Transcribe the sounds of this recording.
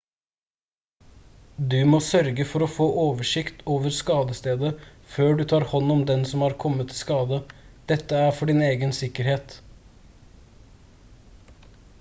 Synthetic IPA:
d̪ʉmɔːsœɾɡəfɔɾɔfoːʔoːʋəʂɪkt̪oːʋəɾskɑːd̪əst̪eːd̪əføːɖʉt̪ʰɑːɾhɔnːɔmd̪ɛnsɔmhɑːɾkʰɔmːət̪ʰːɪskɑːd̪əd̪̥ɛt̪ːəæːɾfɔɖɪneːɡənsɪkəɾheːt̪

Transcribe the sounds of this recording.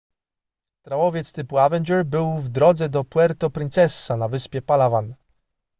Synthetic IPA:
t̪ɾawɔvʲjɛt̪st̪ɘpuavɛnd͡ʒɛɾbɘwvd̪ɾɔd̪zɛd̪ɔpwɛɾt̪ɔpɾɘnt̪sɛsːanavɘspʲjɛpalavan

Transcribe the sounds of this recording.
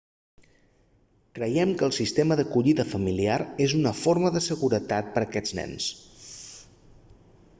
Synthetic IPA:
kɾəjɛmkəːlˠsist̪eməðəkuʎiðəfəmiliaɾezunəfoɾməðəsəɣuɾət̪at̪̚pəɾəkɛd͡znɛ̰ns

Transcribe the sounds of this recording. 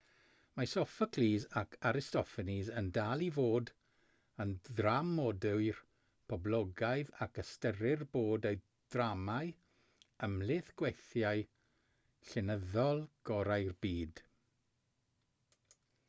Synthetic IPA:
masɔfəkʰliːzakʰaɾɪstɔfɛnizəndaːlˠivoːd | ənðramɔdɨwr | pʰɔblˠɔɡajðakʰəstəɾɪrboːdeɨ | d̥ramaɨ | əmlɪθɡ̥wɛθjaɨ | ɬɪnəðɔlˠɡ̥ɔɾajrbiːd̥

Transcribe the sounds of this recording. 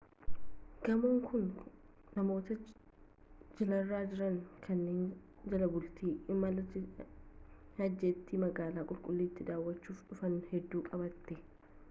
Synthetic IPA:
ɡ̥ɐmoːŋkʰʊnnɐmo̞ːt̪ɐ | d͡ʒɪlɐrːaːd͡ʒɪɾɐŋkʰɐnːeːnd͡ʒɐlɐbʊlt̪iːɪmːɐlɐt̪ːɪ | hɐd͡ʒːet̪ːiːmɐɡaːlaːkʼʊlkʼʊlːiːt̪ːɪd̪aːwːɐt͡ʃːuːfᶑʊfɐnhɛd̪ːuːkʼɐbɐt̪ːɛ

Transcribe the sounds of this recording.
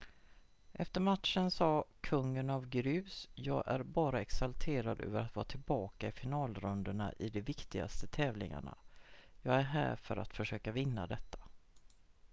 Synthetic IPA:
ʔɛft̪əɾmat̪ʂənsɑːkʰɵŋːənavɡɾʏːsjɑːɡʔæ̰ɾbɑːɾaɛksalt̪ʰeːɾad̪ø̰ːvəɾat̪vɑːt̪ʰɪlbɑːkaɪfɪnɑːlɾɵnd̪əɳa̰ʔɪd̪ɛvɪkt̪ɪɡa̰st̪ət̪ʰɛːvlɪ̰ŋa̰ɳa̰jɑːɡæɾɦæ̰ːɾfœɾʔa̰t̪fœʂøːkavɪnːa̰d̪ɛt̪ʰːḁ

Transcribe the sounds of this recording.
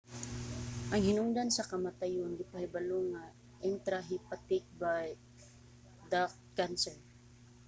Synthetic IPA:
ʔɐŋhɪnʊŋd̪ansɐkɐmat̪ajond̪ɪpahɪbɐloŋa | ʔɛnt̪ɾaɦɪpat̪ɪk̚baj | d̪ak̚ | kansɛɹ

